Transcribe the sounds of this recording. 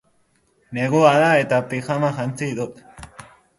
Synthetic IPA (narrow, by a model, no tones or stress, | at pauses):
neɣuaðae̞t̪apixamaʝant͡siðut̪